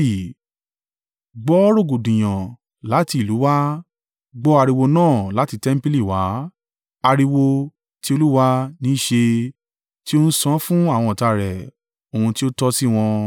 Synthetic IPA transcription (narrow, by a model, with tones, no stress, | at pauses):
i˨ | ɡ͡bɔ˦ɾo˦˨ɡu˨dĩ˨j̃ã˨ | la˨˦ti˧˦˨lu˨˦wa˦ | ɡ͡bɔ˦a˧ɾi˧wo˧nãː˦˨la˨˦ti˧tɛ˦m̩˦pi˦li˦˨wa˨˦ | a˧ɾi˧wo˧ | ti˦o˧lu˦wa˧˦nĩ˨˦ʃe˧ | ti˦o˦n̩˦sã˦fũ˦a˦˨w̃ɔ̃˧ɔ˨ta˧˨ɾɛ˨ | o˨ũ˧ti˦o˦tɔ˦si˦w̃ɔ̃˧